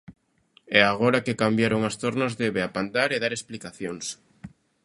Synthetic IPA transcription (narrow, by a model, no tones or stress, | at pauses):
ɛaɣ̞oɾakekambjaɾoŋast̪oɾnazðeβeapand̪aɾeðaɾesplikaθjoŋs